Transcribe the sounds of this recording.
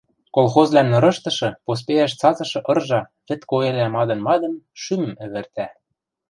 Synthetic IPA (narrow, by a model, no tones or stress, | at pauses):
kolˠxozlænnɤ̆ɾɤ̆ʃt̪ɤ̆ʃɤ̆pos̬peæʃt͡sɑzɤ̆ʃɤ̆ʔɤ̆rʒɑβɘ̆t̪koelæmɑd̪ɤ̆nmɑd̪ɤ̆nʃymɘ̆mɘ̆βɘ̆rt̪æ